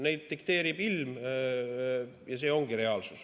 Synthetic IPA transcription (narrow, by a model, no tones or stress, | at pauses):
ne̞jd̪̥̚ːikt̪e̞ːɾib̥ilm | jɑse̞ːo̞ŋɡ̥iɾe̞ɑːlsus